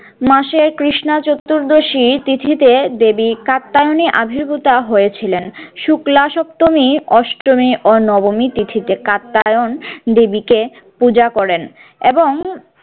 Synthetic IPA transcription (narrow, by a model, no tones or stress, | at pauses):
maʃeɾkɾiʃnat͡ɕot̪ːuɾd̪oʃit̪it̪ʰit̪ed̪ebikat̪ːajoniʔabʱiɾbut̪aɦoet͡ɕʰilenʃuklaʃɔp̚t̪omiɔʃʈɾomiʔonɔbomit̪it̪ʰit̪ekat̪ːajond̪ebike | pud͡ʑakɔɾen | eboŋ